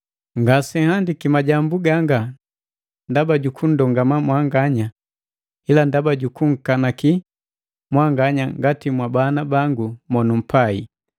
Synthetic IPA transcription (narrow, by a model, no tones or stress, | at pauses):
ŋɡasɛhandikimaɟambuɡaŋɡa | ndabaɟukʰun̩dɔŋɡamamwaŋɡaɲa | ilandabaɟukuŋ̩kanaki | mwaŋɡaɲaŋɡatimwabanabaŋɡumɔnum̩pai